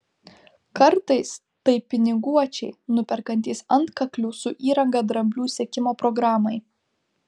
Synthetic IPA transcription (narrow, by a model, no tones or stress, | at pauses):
kɐɾt̪ɐɪs | t̪ɐɪpʲɪnʲɪɡuɔt͡ʃʲɛɪnʊpʲɛɾkɐnʲt̪ʲiːsɐnt̪kɐklʲuːsʊʔiːɾɐŋɡɐd̪ɾɐmʲbʲlʲuːsʲiɛkʲɪmoːpɾɔɡɾaːmɐɪ